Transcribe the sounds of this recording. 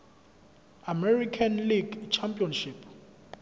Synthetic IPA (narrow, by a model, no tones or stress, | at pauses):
amɛrikʰanliɡt͡ʃʰampʼiɔnʃipʰ